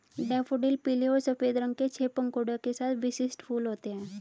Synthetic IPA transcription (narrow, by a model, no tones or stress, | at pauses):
ɖɛfoɖiːlpiliosəfed̪ɾəŋket͡ɕʰepəŋkoɽakesat̪ʰʋisisʈfuːlɦot̪eɛ̃